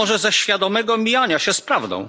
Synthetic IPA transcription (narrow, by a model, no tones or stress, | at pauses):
ɔʐɛzɛɕfʲjad̪ɔmɛɡɔmʲijaɲaɕɛspɾavd̪ɔ̰̃w̃